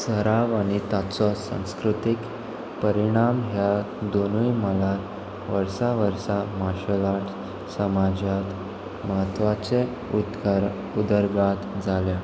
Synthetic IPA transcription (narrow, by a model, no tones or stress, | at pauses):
səɾaʋaɽ̃it̪at͡sɔsã̰w̃skɾut̪ik | pəɾiɽ̃amɦja | d̪onujməla | ʋəɾsaʋəɾsamaɕəlaʈ | səmad͡ʑjat̪ | məɦət̪ʋat͡se | u | ud̪əɾɡat̪d͡zʱalja